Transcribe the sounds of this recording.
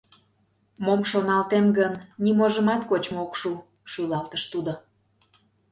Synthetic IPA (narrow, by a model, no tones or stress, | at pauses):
momʃonɑlt̪emɡənːimoʒə̆mɑt̪kot͡ɕmookʃu | ʃylɑlt̪əʃt̪ud̪o